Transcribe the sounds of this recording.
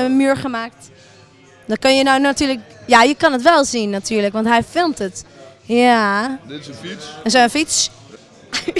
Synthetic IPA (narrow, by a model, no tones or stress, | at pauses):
myːɹχəmaːk̚t | dɔkønjənawnatyːɹlək | jajəkɑnətʋɛlˠzinːatyːɹləkʋɑntɦɛjfɪlˠtətja | ənsoənfits